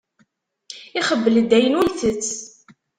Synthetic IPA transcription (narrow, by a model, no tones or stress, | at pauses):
ɪχəbːəld̪ːæjənulθət͡sː